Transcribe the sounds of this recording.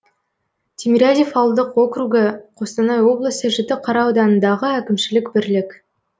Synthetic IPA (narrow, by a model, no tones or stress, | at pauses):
t̪ʲʰemʲiɾʲad̪ʲifɑwlˠd̪əqwo̞kruɡəqʰost̪ɑnɑjwo̞blˠəsəʒɪt̪ɪqʰɑɾɑwd̪ɑnənd̪ɑʁəækʲɪmʃɪlɪkbɪɾlɪk